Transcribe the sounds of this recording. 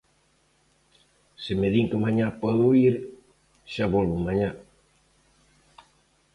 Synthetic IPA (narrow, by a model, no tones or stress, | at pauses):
semeðiŋkemaɲapɔðuiɾ | ʃaβɔlβomaɲa